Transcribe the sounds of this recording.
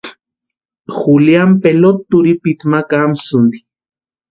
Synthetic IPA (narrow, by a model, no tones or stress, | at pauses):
xuljampelot̪ːuɾipit̪makamsund̪i̥